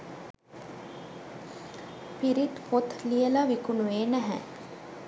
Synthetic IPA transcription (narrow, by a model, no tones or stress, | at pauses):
piɾit̪pʰot̪lijəlaʋikunueːnæɦæ̰